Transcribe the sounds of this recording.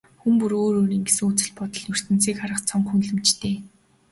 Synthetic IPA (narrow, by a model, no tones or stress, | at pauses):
xumpuɾoːɾoːɾiːŋɡesɘ̆ŋut͡sɘ̆ɮpɔt̪ɞ̆ɮnɵr̥t̪ɘ̆nt͡siːkχaɾə̆χt͡sʰɔŋxunɮɘ̆mt͡ɕt̪ʰeː